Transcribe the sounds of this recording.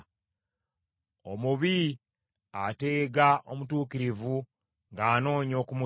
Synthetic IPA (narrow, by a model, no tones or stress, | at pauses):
omuβi | ateːɡaʔo̞̰mutuːkiɾivu | ŋɡaːno̞ːɲo̞ːkumu